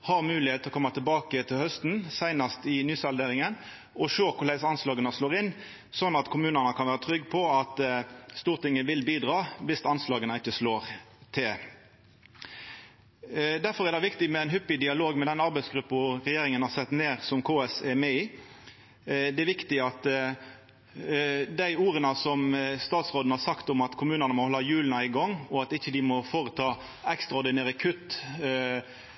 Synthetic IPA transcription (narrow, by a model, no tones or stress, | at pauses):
hɑʁmʉːlɪheːt̪ʰɔkʰɔmːɑt̪ʰɪlbɑːkət̪ʰɪlhœst̪n̩sæɪnɑst̪ɪnyːsɑld̪eːɾɪŋən | ʔɔʃøːkʰʊɾlæɪsɑnslɑːɡənəsloːʁɪn | sɔnːɑt̪kʰʊmʉːnənəkʰɑnʋæːʁət̪ʰɾʏɡːpʰɔɑt̪st̪uːʁt̪ɪŋːəʋɪlbiːd̪ʁɑːʋɪst̪ɑnslɑːɡənəɪt͡ʃːəsloːʁt̪ʰɪ | d̪æɾfɔɾɛɾd̪ɛɪʋɪkt̪ɪmɛæɪnɦʏpːɪd̪ɪɑloːɡmɛd̪ɛnɑɾbæɪsɡɾʉpːɔʁɛjeːɾɪŋənhɑːɾsɛt̪ːneːɾsɔmkʰoːɛsɛɾmɛi | d̪ɛæɾʋɪkt̪ɪɑt̪ | d̪æɪuːɾənəsɔmst̪ɑːt̪sʁoːd̪n̩hɑːɾsɑkt̪ʊmɑt̪kʰʊmʉːnənəmɔhlɑːjʉːlnɑɪɡɔŋːɔɑt̪ɪçːəd̪ɪmɔfoːɾət̪ʰɑː | ɛkst̪ɾɑɔɾd̪ɪnæːɾəkʰʉt̪